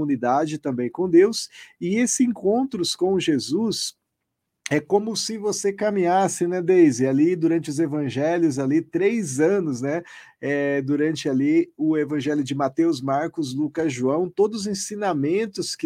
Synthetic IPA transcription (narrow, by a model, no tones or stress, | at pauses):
unid̪ad͡ʒɪt̪ɐ̃mbẽj̃kõd̪ewsɪesɪẽŋkõnt̪ɾʊskõw̃ʒezus | ɛkõmʊsɪvosekamĩɲasɪnɛd̪ejzɪalid̪uɾɐ̃nt͡ʃɪʊzevɐ̃ʒɛljʊzalit̪ɾejzɐ̃nʊznɛ | ɛd̪uɾɐ̃nt͡ʃɪaliʊevɐ̃ʒɛljʊd͡ʒɪmat̪ewzmaɾkʊzlukɐzʒuɐ̃w̃t̪od̪ʊʊzẽsĩnamẽnt̪ʊskɪ